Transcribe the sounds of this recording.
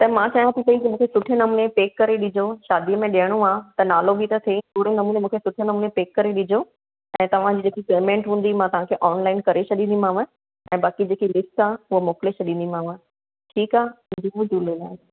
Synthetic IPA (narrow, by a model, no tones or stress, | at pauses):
t̪ɐmãt͡ɕaːɦjãt̪ʰikɐĩk̪ɐmũːkʰesʊʈʰɪjənɐmuːnepeːkːɐɾeɗɪd͡ʑoʃaːd̪iəmẽɗiəɽ̃ũaːt̪ɐnaːlobɪt̪ɐt̪ʰet̪ʊːɽenɐmuːnemũːkʰesʊʈʰɪjənɐmuːnepeːkːɐɾeɗɪd͡ʑʱo | ɛ̃ːt̪ɐʋ̤ãd͡ʑiːd͡ʑeːkipeːmẽːʈɦũːn̆d̪imãt̪ɐʋ̤ãkʰeʔɔːnlaːɪnkɐɾet͡ɕʰɐɗĩːnd̪imãːʋə | ɛ̃ːbaːkid͡ʑeːkilɪsʈaːʊɦəmoːkɪlet͡ɕʰɐɗĩːnd̪imãːʋə̃ | ʈʰiːkaːʊ̃d͡ʑimũd͡ʑuːlelaː